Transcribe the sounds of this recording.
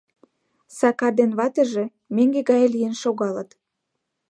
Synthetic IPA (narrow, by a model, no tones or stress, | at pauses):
sɑkɑd̪enβɑt̪ə̆ʒĕ | meŋɡeɣɑjlijenʃoɣɑlət̪